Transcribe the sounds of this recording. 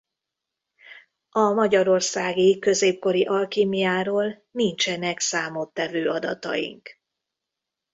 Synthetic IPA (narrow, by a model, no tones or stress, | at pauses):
ɒmɒɟɒɾo̞rsaːɡikø̞zeːp̚ko̞ɾiʔɒlkiːmijaːɾoːl | nint͡ʃɛnɛksaːmot̪ːɛvøːɒd̪ɒ̰t̪ɒ̰jḭŋk